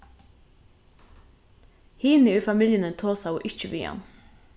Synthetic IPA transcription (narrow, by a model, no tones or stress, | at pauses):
hiːnɪʊfamiljɪnɪt̪ʰoːsawʊʔɪht͡ʃɪʋḭːha̰n